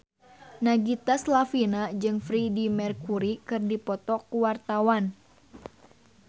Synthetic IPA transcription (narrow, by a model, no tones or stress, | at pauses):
naɡit̪aslafinad͡ʒɨŋfɾidimɛrkuɾikɨrdipɔt̪ɔkuwart̪awan